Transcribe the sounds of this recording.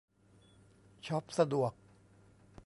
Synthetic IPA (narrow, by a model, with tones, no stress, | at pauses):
t͡ɕʰɔ˦˥p̚sa˧du˨˩ək̚